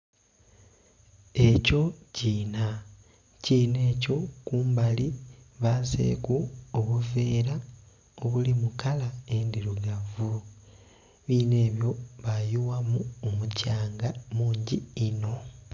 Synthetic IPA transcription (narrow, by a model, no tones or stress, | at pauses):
e̞co̞ciːna | ciːne̞ːco̞kuːmbaliβazḛːkuoβuve̞ːɾa | o̞βulimukalaendiɾuɡavu | βiːne̞ːβjo̞βajuwamuomucaːŋɡamuːɲɟiːno̞